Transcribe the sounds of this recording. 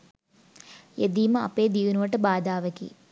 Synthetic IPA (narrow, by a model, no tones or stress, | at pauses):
jed̪iːmɐɐ̰pːeːd̪inuɐʈːɐbaːd̪aːʋɐkḭ